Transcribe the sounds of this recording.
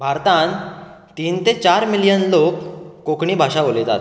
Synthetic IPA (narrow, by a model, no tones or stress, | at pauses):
bʱaɾt̪ãn | t̪iːnt̪et͡ɕaɾmilijənlokːokɳiːbʱaʂaʋolet̪a̰t̪